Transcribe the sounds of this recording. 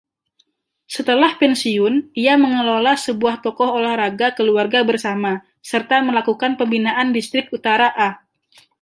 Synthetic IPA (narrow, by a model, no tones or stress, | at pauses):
sət̪əlahpɛnsiʊniaməŋəlolasəbuaht̪ɔkɔholahraɡakəluarɡabərsama | sərt̪aməlakukanpəmbinaʔandist̪ɾɪk̚ut̪aɾaʔa